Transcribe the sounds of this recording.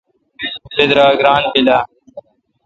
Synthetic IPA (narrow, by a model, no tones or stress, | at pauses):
sɪd̪ɾaːɡɾaːnbɪlaː